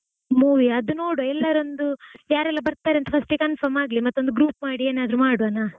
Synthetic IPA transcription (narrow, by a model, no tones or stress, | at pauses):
muːʋiɐd̪uno̞ːɽuɛlːɐɾo̞nd̪ujaːɾɛlːɐbɐɾt̪aːɾeɐnt̪ɐfʰɐsʈikɐnfɐɾmaːɡlimɐt̪ːond̪uɡɾuːpmaːɽieːnaːd̪ɾumaːɽuʋɐna